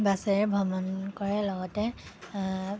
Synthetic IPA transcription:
basɛɹɛbʱɔmɔnkɔɹɛlɔɡɔtɛ

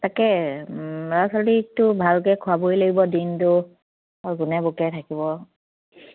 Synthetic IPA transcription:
takɛ | ɹasaditʊbʱalkɛkʰʊabojloɡibɔdintʊ | aɹɡʊnɛbokɛtʰakibɔ

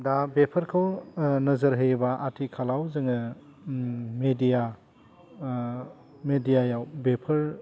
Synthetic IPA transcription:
dabepʰɐɾkʰawnɐzɐɾɦəjbaʔatʰikʰalawzɯŋɐ | medija | medijajawbepʰɐɾ

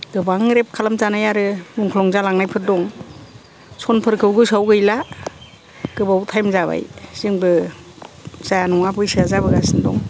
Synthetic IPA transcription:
ɡɯbaŋɾep̚kʰalamzanajaɾɯmuŋkʰlɔŋzalaŋnajpʰɯt̚dɔŋ | sɔnpʰɯɾkʰɯwɡɯsawɡɯjla | ɡ̥ɯbawtʰajmzaβa̰jsɯŋbɯ | zajanɔŋabɯjsɯazabɯɡasɯndɔ̰ŋ

